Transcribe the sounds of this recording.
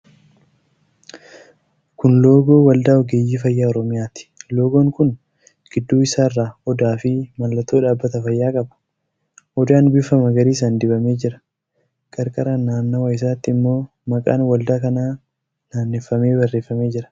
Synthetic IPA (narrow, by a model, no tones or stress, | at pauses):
kʊnlo̞ːɡo̞ːwɐld̪aːɔɡeːjiːfɐjːaːɔɾɔmɪjaːt̪ɪ̥lo̞ːɡoːŋkʊn | ɡ̥ɪd̪ːuːɪsaːɪrːaːɔd̪aːfɪmɐlːɐt̪oːᶑaːbːɐt̪ɐfɐjːaːkʼɐbɐ̥ | ɔd̪aːnbɪfɐmɐɡɐɾiːs̬aːnd̪ɪbɐme̞ːd͡ʒɪɾɐ̥ | kʼɐɾkʼɐɾɐnːaːnːɐwɐjɪs̬aːt̪ːɪɪmːo̞ː | mɐkʼa̰ːnwɐld̪aːkɐnaː | naːnːɪfːɐme̞ːbɐrːeːfːɐme̞ːd͡ʒɪɾɐ̥